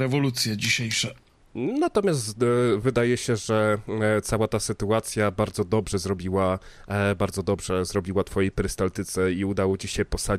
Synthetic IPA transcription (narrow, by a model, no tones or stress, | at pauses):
ɾɛvɔlut̪sʲjɛd͡ʑiɕejʂɛ | nat̪ɔmʲjast̪vɘd̪ajɛɕɛʐɛt̪sawat̪asɘt̪uat̪sʲjabaɾd̪zɔd̪ɔbʐɛzɾɔbʲiwa | baɾd̪zɔd̪ɔbʐɛzɾɔbʲiwat̪fɔjejpɾɘst̪alt̪ɘt̪sɛiud̪awɔt͡ɕiɕɛpɔsa